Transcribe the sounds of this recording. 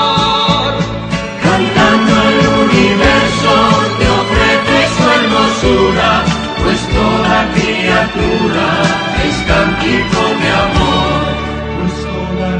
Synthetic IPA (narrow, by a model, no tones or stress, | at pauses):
kant̪and̪oelunivɛɾsot̪eofɾɛd̪esɛɾmosuɾa | kwest̪oɾakɾiat̪uɾa | est̪ant̪it̪od̪eamoɾ